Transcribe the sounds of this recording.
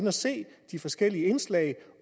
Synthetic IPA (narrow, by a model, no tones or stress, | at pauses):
nɒse̝̰ːd̥ifɒ̽sɡ̥el̰iəe̝nslɛ̰ɪ